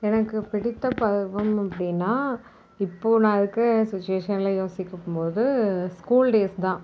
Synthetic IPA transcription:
ɛnɐkːɯpɪɽɪt̪ːɐpɐðɯʋɐmɐpːɐɽɪnːaː | ɪpːoːnãːɪðɯkːɯsɪt͡ʃːeːʂɐnɪlajoːsɪkːɐmpoːðɯskuːlɖeːst̪ãː

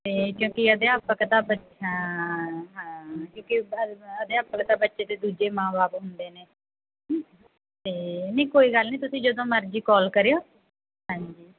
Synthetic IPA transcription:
t̪eːkjõːkiəd̪eːəpəkt̪ãːbə | ɦãː | ɦãːkjõːkiəd̪eːəpəkt̪ãːbətːʃeːt̪eːd̪uːd͡ʒeːmãːbaːbɦʊnd̪eːneː | t̪eːnĩːkoːiːɡəlnĩːt̪ʊsĩːd͡ʒəd̪õːməɾd͡ʒiːkɔːlkəɾeːjoː | ɦãːɲd͡ʒiː

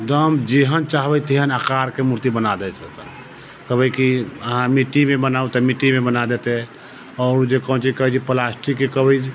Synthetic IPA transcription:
d̪əmd͡ʒeɦənt͡ʃaɦbɛt̪eɦənakaɾkemuɾt̪ibənad̪ɛsət̪ə | kəbəjkiəɦãmiʈːimebənaut̪ɛmiʈːimebənad̪et̪ɛ | ɔɾd͡ʒekənt͡ʃikəɦt͡ʃipəlasʈʰikekəbəjd͡ʒ

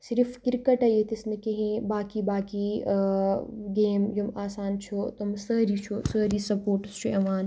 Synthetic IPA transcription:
siɾifkiɾkɐʈɐjet̪isnikɐɦĩbaːkibaːki | ɡeːmjumaːsaːnt͡ʃʰot̪umsɐɦɾit͡ʃʰosɐːɾiːsɐpoːɾʈst͡ʃʰuɐʋaːn

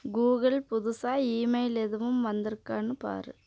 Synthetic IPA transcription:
ɡuːɣɐɭpʊðʊsaːiːmɐɪlɛðɯʋɯmʋɐnd̪ɪɾɯkːaːnɯpa̰ːɾɯ̰

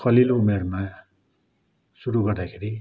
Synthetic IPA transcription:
kʰʌliloumerma | suɾuɡʌrd̪akʰeɾi

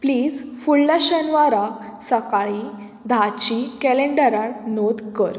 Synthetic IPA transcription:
pliːd͡zfuɭlaɕənʋaɾa | səkaɭi | d̪ʱat͡ɕikɛleɳɖəɾaʈnod̪kəɾ

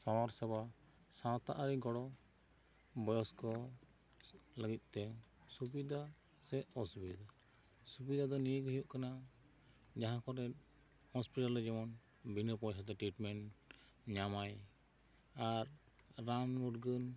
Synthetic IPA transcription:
sawaɾsɛba | sãt̪aʔaɾiɡɔɽɔ | bɔjɔskɔ | ləɡit̪̚ˀt̪ɛsubid̪ʱa | sɛʔɔsubid̪a | subid̪ʱad̪ɔnijəkɔɦijɔʔkana | d͡ʒaɦãkɔɾɛ | hɔ̃spiʈalːɛd͡ʒɛmɔn | bʱinəpɔjsʰat̪̬ɛʈɾiʈmɛn | ɲamaj | aɾː | anmuʈɡən

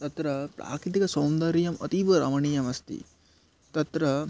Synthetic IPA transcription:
t̪ɐt̪ɾɐpɾa̰ːkɾit̪̬ikɐsoːmd̪ɐɾijɐmɐ̰t̪iʋɐɾɐ̰mɐɳiːjɐmɐst̪ḭ | t̪ɐt̪ɾɐ

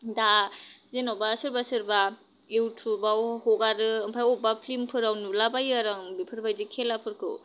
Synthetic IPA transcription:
dazenɔbasɯɾbasɯɾba | ewtʰubawhɔɡaɾɯɯmpʰajɔbapʰlimpʰɯɾawnulabajaɾaŋbipʰɯɾbajzikʰelapʰɯɾkʰɯ̰w

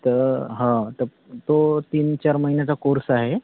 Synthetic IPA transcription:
t̪əɾɦãt̪əɾ | t̪ot̪iːnt͡ɕaɾməɦinjat͡sakoɾsaɦe

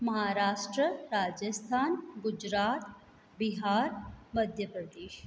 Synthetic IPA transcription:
mɐɦaːɾaːʃʈɾəɾaːd͡ʒəst̪ʰaːnɡʊd͡ʒɾaːt̪ | biɦaːɾmɐd̪ʱjəpɾɐd̪eːʃ

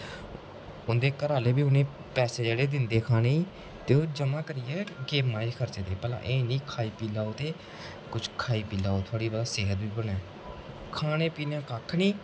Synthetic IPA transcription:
ʊnd̪eːkəɾaːleːbiːʊnẽː | pɛːseːd͡ʒeːɽeːd̪ɪnd̪eːkʰaːneːiː | t̪eːoːd͡ʒəmaːkəɾɪjɛːɡeːmaːiːkʰəɾt͡ʃeːt̪eːpəlã̰ːʔeːnĩːkʰaːiːpiːlaːoːt̪eː | kʊt͡ʃʰkʰaːiːpiːlaːoːt̪ʰʊaːɽiːbəd̪aːseːɦət̪ʋiːbənɛː | kʰaːñeːpiːneõkaːkʰːnĩː

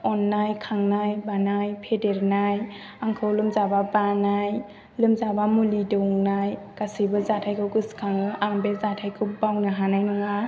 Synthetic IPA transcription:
ɔnːajkʰaŋnajbanajpʰedeɾnaj | aŋkʰɯwlɯmzababanaj | lɯmzabamulidɔwŋnaj | kasɯjbɯzatʰajkʰɯwkɯskʰaŋɯʔambezatʰajkʰɯwbawnɯɦanajnɔŋa

